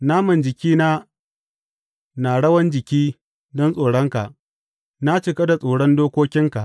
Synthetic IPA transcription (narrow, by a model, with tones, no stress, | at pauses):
naː˦mɐ˨nd͡ʒɪ˨kʲiː˦naː˦ | naː˨ɽɐ˦wɐ˦nd͡ʒɪ˨kʲiː˦ | dɔ˦nsʼoː˨ɽɔ˦ŋka˨ʔ | na˦t͡ʃɪ˨kɐ˦da˨sʼoː˨ɽɔ˦ndoː˦kʷoː˦kʲɪ˦ŋka˨ʔ